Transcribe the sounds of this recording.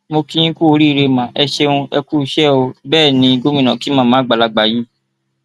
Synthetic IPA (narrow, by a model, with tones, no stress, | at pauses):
mo˧kĩ˦ĩ˦ku˦o˧ɾi˦˧ɾe˧mã˨ʔɛ˧ʃe˧ũ˧ɛ˧ku˦˧˦ʃɛ˦˨o˧bɛː˦˨nĩ˧ɡo˦mĩ˦˨nã˨ki˨˦mã˦˨mãː˨˦ɡ͡ba˨la˧ɡ͡ba˨ji˦